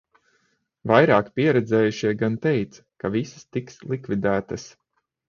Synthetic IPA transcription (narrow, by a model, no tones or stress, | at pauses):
vajɾaːkpiɛɾɛd̪zɛːjuʃiɛɡant̪ɛjt̪s | kavisə̥st̪ikslˠikvid̪æːt̪ɐs